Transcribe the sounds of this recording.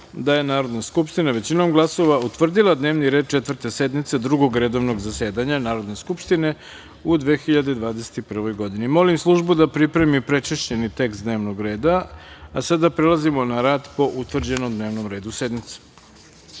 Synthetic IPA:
d̪aje̞naːɾo̞d̪naskupʃt̪inaʋe̞t͡ɕinomɡlˠaso̞ʋaut̪ʋr̩d̪ilˠad̪neːʋniɾe̞d̪̚t͡ʃe̞t̪vr̩t̪e̞se̞d̪mit̪se̞d̪ɾuɡo̞ɡɾe̞d̪o̞ʋno̞ɡzase̞ːd̪aɲanaːɾo̞d̪ne̞skupʃt̪ine̞ | ud̪ʋe̞ːxiʎad̪ed̪ʋaːd̪ese̥t̪ipr̩ʋo̞jɡo̞d̪inimo̞limslˠuʒbud̪apɾipɾe̞mipɾe̞t͡ʃeʃt͡ɕe̞nit̪e̞kst̪d̪ne̞ːʋno̞ɡɾe̞ːd̪aasad̪apɾelˠazimo̞naɾaːd̪po̞ʔut̪ʋr̩d͡ʑe̞nomd̪ne̞ːʋnomɾe̞ːd̪use̞d̪mit̪se̥

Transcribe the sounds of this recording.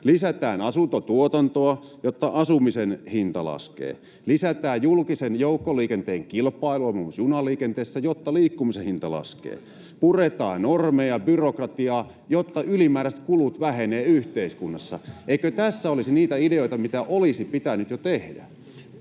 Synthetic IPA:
lisæt̪æːnɑsunt̪ot̪uot̪ɑnt̪oɑjot̪ːɑʔɑsumisenhint̪ɑlɑ̰skḛː | lisæt̪æːjjulkisenjoukːoliːkent̪eːŋkilpɑiluɑmusjunɑliːkent̪eːsːæjot̪ːɑliːkːumisehint̪ɑlɑ̰skḛː | puret̪ɑ̰ːnormejɑbyrokrɑt̪iɑː | jot̪ːɑʔylimæːɾæst̪̚kulut̪ʋæheneːyht̪eiskunːɑsːɑ̰ʔeikøt̪æsːæolisiniːt̪æideoit̪ɑmit̪æʔolisipit̪ænyt̪jot̪ehdæ̰

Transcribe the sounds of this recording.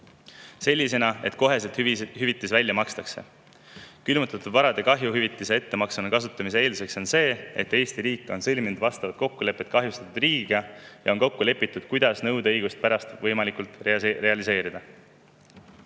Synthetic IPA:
se̞lʲːise̞nɑe̞̰t̪ko̞ɦe̞s̬et̪ɦyvit̪ːˑisvælʲːjɑmɑkst̪ɑkse̞̰ | kylmut̪ːˑɑt̪ːˑud̪vɑɾɑd̪̥e̞kɑɦjuɦyvit̪ːˑise̞e̞t̪ːe̞mɑksɑnɑkɑs̬ut̪ːˑɑmis̬eeːlise̞kso̞nse̞ːe̞̰t̪ːe̞ːst̪iɾiːkːˑo̞nsɤlʲminud̪vɑst̪ɑvɑt̪̚ko̞kːule̞pːˑe̞t̪̚kɑɦjust̪ɑ̥t̪ːˑud̪riːɡ̥iɡ̥ɑjɑo̞nko̞kːule̞pːˑit̪ˑːud̪̥kujd̪̥ɑsnɤwd̪ɤjɡ̥ust̪̚pæɾɑst̪vɤjmɑlikult̪rre̞ɑlise̞ːɾid̪̥ɑ

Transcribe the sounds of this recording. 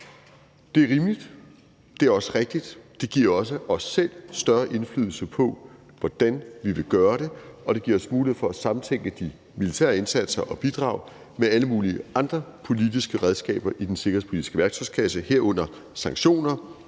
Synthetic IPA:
d̥e̝æɐʁiːmlid̥ | d̥e̝æɐɒ̽səʁeɡ̥̚d̥id̥d̥e̝ɡ̥iɐ̰ɒ̽s̬əɒ̽sːel̰sd̥ɶɐʔe̝nfly̰ðˠl̩səpʰɒ̽ | ʋɒd̥ænʋiʋe̝ɡ̥ɶːɐɾ̥e̝ɒ̽ɾ̥e̝ɡ̥iɐɒ̽smuːlihḛfɒ̽æsɑ̈mn̩t͡sʰeŋ̰ɡ̥əd̥i | milit͡sʰɛ̰ɐe̝nsæd̥sɐʔɒ̽b̥id̥ʁɑ̰̈ʊ | meæləmuːliəʔɑ̈nd̥ʁɐpʰo̝lid̥isɡ̥əʁɛð̞ˠsɡ̥ɛ̰ːb̥ɐʔid̥ense̝ɡɐhḛpʰo̝lidi̥sɡ̥əʋæɐɡ̥sʰɒ̽mskʰæsəheɐ̰ɔ̽n̰ɐ | sɑ̈ŋɡɕo̝̰ːnɐ

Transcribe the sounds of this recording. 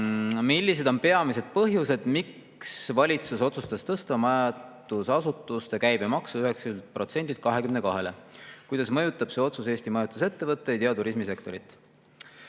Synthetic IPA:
milʲːis̬e̞d̪o̞mpe̞ɑmise̞d̪̥̚pɤɦjuse̞d̪̥mik | svɑlʲit̪suso̞t̪sust̪ɑst̪ɤst̪ɑmɑjɑt̪ːusɑsut̪ːˑust̪e̞kæjbe̞mɑksuyɦe̞ksylt̪̚pro̞t̪se̞nd̪ilt̪̚kɑɦe̞kymne̞kɑɦe̞le̞kujd̪̥ɑsmɤjut̪ːˑɑb̥se̞o̞t̪suse̞ːst̪imɑjut̪ːˑuse̞t̪ːe̞vɤt̪ːejt̪eɑt̪uɾismise̞kt̪o̞ɾit̪ːˑ

